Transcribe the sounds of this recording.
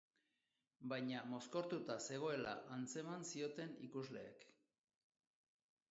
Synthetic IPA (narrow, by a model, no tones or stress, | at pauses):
bajɲamo̞sko̞ɾt̪ut̪ase̞ɣ̞o̞e̞la̰ʔant͡se̞mansio̞t̪e̞nḭkuzle̞̰ːk